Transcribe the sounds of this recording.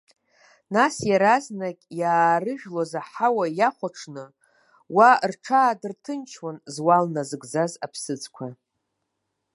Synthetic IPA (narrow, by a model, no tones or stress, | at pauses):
nasjaɾaznakʲʼjaːrɨʒᶣlozaħawajaχʷaʈ͡ʂʰnɨ | warʈ͡ʂʰaːdɨrtʰɨnt͡ʃʰwanzwalnazɨɡd͡zazapʰsɨt͡sʼkʷʰa